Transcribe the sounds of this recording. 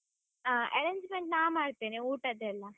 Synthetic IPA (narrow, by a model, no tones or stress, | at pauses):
aːɐ̰ɾeɲd͡ʒmeɳʈ̚naːʋmaːɽt̪iːniuːʈɐd̪eɐlːɐ